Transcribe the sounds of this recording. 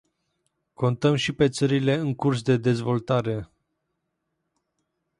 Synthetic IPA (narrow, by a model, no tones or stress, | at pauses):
ko̞nt̪əmʃipe̞t̪səɾile̞ɨŋkurs̬d̪e̞d̪e̞zvo̞lt̪aɾe̞